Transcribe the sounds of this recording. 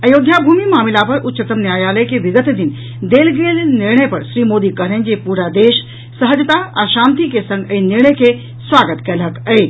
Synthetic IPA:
ɐjoːd̪ʱjabʱuːmimaːmɪlapɐɾʊtːt͡ʃət̪əmnjaːjaːləjkeʋɪɡət̪d̪ɪn | d̪eːlɡeːlnɪɾɳ̃əjpɐɾʃɾiːmoːd̪ikɐɦɾə̃nd͡ʑepuːɾad̪eːʃ | səɦəd͡ʒt̪aaʃãːnt̪ikesɐ̃ŋɡəinɪɾɳ̃əjkʰe | sʋaːɡət̪kɐlɦəkəe

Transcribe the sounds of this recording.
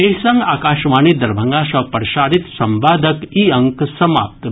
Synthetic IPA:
esɐŋɡaːkaːʃʋaːnid̪ɐɾbʱɐŋɡaːʃɐpəɾʃaːɾit̪sɐmʋaːd̪ʱɐkiɐŋksɐma̰ːp̚t̪

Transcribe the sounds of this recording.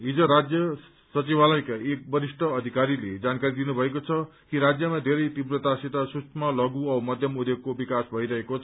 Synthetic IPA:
ɦid͡zʌɾad͡zjʌ | sʌt͡sibʱalʌjkaek̚bʌɾisʈʰʌːd̪ʱikaɾiled͡zankaɾid̪inubʱʌekot͡sʰʌkiɾad͡zjʌmad̪ʱeɾʌjt̪ibrʌt̪asit̪asust͡ʃʰmʌlʌɡuʌmʌd̪ʱjʌmud̪joɡ̚kobikasbʱʌiɾʌɦekot͡sʰ

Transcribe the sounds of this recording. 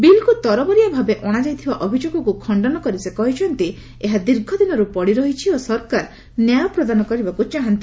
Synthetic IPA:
bilkut̪ɔɾɔbɔɾijabʱabeʔɔɽ̃ad͡ʒajt̪ʰibaʔɔbʱid͡ʒoɡɔkukʰɔɳɖɔnɔkɔɾisekɔɦit͡ʃʰɔnt̪i | eɦad̪iɾɡʱɔd̪inɔɾupɔɽiɾɔɦit͡ʃʰiosɔɾkaɾ | njajɔpɾɔd̪anɔkɔɾibakut͡ʃaɦant̪i

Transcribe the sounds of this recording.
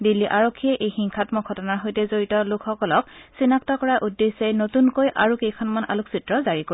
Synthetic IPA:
dilːiʔaɹokʰːiɛʔejxiŋkʰatmɔɡʱɔtɔnaɹɦojtɛzoɹitɔlʊkʰxɔkɔlɔk̚sinaktɔkɔɹaʔudːesɛnotunkojʔa̰ɹukejkʰɔnmana̰luksitɹɔzaɹiko

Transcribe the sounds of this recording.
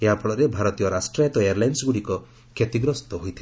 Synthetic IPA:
eɦapɔɽɔɾebʱaɾɔt̪ijɔɾasʈɾajat̪ɔejaɾlajnsɡuɽikɔ | kʰet̪iɡɾɔst̪ɔɦojt̪ʰi

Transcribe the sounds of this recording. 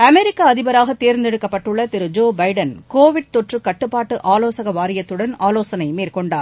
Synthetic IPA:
ɐmɛɾɪkːaɐðɪbɐɾaːɣɐt̪ːeːɾnd̪ɛɽɯkːɐpːɐʈːɯɭːɐt̪ɪɾɯd͡ʒoːbɐɪɖɐnkoːʋɪɽ̚t̪ɔʈrɯkɐʈːɯpːaːʈːɯʔaːloːsɐɣɐʋaːɾɪjɐt̪ːɯɽɐnaːloːsɐnɐɪmeːrkɔɳɖaːɾ

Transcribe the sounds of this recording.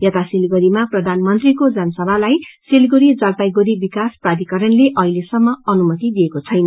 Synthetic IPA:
jʌt̪asilɡoɾimaprʌd̪ʱanmʌnt̪rikod͡zʌnsʌbʱalajsilɡoɾid͡zʌlp̪ajɡoɾibikasprad̪ikʌɾʌnleʔʌɦilesʌmːʌʌnumʌt̪id̪ijekot͡sʰʌjnʌ

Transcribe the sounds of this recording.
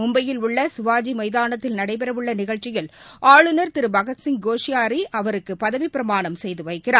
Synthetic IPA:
ʊmbɐjɪlʊɭːɐsʊʋaːd͡ʒimɐjðaːnɐt̪ːɪlnɐɽɐɪp̬ɛɾɐʋɯɭːɐnɪɣɐɭt͡ʃːɪjɐlʔaːɭɯnɐɾt̪ɪɾɯbɐɣɐt̪sɪŋ̚ɡoːʂɪjaːɾiʔɐʋɐɾɯkːɯpɐðɐʋipɪɾɐmaːɳɐmsɛjðɯʋɐɪkːɪraː

